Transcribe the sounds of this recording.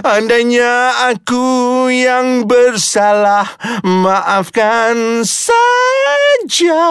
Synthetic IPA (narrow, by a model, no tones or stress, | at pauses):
andaɲaakujaŋbərsalahmaʔafɡansa | d͡ʒa